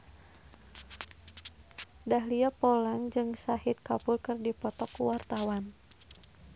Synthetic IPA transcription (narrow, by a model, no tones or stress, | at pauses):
daɦliapolaŋd͡ʒɨŋsahit̪̚kapʊlkɨrdipɔt̪ɔkuwart̪awan